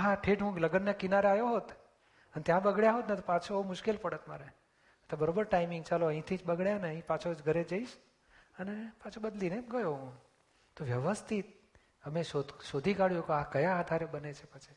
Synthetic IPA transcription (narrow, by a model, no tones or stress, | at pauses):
ɦãʈʰeʈɦũɡləɡənjakinaɾeajoɦot̪ | ənet̪jãbəɡɭjaɦot̪net̪opat͡ʃʰomʊʃkelpəɽət̪ma̰ɾe | et̪obəɾobəɾʈaimiŋɡt͡ʃaloəɦĩt̪ʰid͡ʒbəɡɭjaneəɦĩpat͡ʃʰod͡ʒɡʱəɾed͡ʒəiʃ | ənepat͡ʃʰobəd̪lineɡəjoɦũ | t̪oʋjəʋəst̪ʰit̪̚ | əmeʃod̪ʃod̪ʱikaɽjukoakəjaːd̪ʱaɾebənet͡ʃʰepət͡ʃʰi